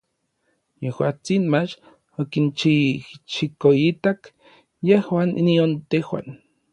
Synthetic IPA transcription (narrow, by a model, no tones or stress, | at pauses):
jehwaːt͡sinmat͡ʃ | okint͡ʃit͡ʃikoit̪ak | jehwaːnʔḭniont̪ehwa̰n